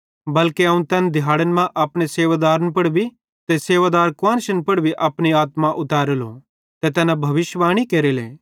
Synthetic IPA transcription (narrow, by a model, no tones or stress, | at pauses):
bɐlkeɐːũnt̪ɛːnd̪ʱɪjaːɽənmãʔɐpɽ̃eseːʋad̪aːɾənpɐɽbʱi | t̪eseːʋaːd̪aːɾkãːnʃənpɐɽbʱiʔɐpɽ̃iaːt̪maʔʊt̪aːɾəlo̰ | t̪et̪ɛːnabʱɐʋɪʃʋaːɽ̃ikeːɾelḛː